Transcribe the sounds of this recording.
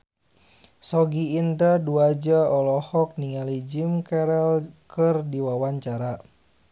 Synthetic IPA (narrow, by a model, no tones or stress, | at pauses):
sɔɡiːndaduad͡ʒaɔlɔhɔk̚niŋalid͡ʒimkɛɾɛlkɨrdiwawaɲt͡ʃaɾa